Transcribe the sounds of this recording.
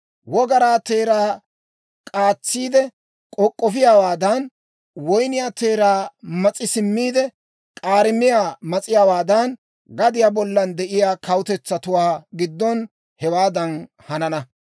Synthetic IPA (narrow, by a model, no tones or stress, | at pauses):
wɔɡɐɾaːt̪eːɾaː | kʼaːt͡sːiːd̪ɛ | kʼɔkʼːɔfɪjaːwaːd̪ɐn | wɔjnɪjaːt̪eːɾaːmɐt͡sʼːɪsɪmːiːd̪ɛ | kʼaːɾɪmɪjaːmɐt͡sʼɪjaːwaːd̪ɐn | ɡɐd̪ɪjaːbɔlːɐnd̪ɛʔɪjaːkɐwʊt̪ɛt͡sːɐt̪ʊwaːɡɪd̪ːɔn | hɛwaːd̪ɐn | hɐnɐnɐ